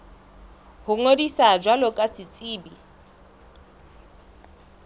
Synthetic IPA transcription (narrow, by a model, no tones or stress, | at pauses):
hʊŋodisad͡ʒwalɔkʼasɪt͡sʼiːbi